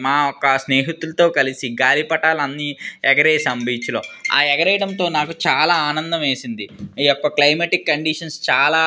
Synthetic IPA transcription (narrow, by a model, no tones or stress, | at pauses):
maːɔkːɐsneːɦit̪ulɐt̪o̞ːkɐlisiɡaːlipɐʈaːlɐnːiɛɡɐɾeːsɐmbiːt͡ʃloːa̰ːɛɡɐɾɛjɽɐnt̪o̞ːnaːkut͡ʃaːlaːaːnɐnd̪ɐmeːsind̪iiːɔkːɐklɐjmeːʈikːɐɳɖiʂɐnst͡ʃaːlaː